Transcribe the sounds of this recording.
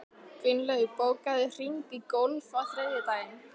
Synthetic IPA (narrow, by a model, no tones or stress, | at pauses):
kvɪnlœðʏpoːwkaðɪr̥iŋkikowlfaθɾeːðɪt̪aːjɪn